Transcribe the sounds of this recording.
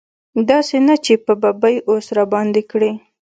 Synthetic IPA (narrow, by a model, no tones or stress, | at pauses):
d̪ɑsenat͡ʃepəbabəjʔosɾabɑnd̪ekɽi